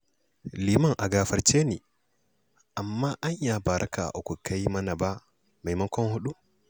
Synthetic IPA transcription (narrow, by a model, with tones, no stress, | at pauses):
li˨ma˦ŋʔa˨ɡa˨fa˦ɾt͡ʃe˦ni˨ | ʔa˨mːa˦ʔa˦ɲja˨ba˨ɾʔa˦ka̰˨ʔɔ˨kɔ˨ka˦jma˦na˨ba˦ | ma˨jma˦ŋkɔ˦nhu˦ɗu˦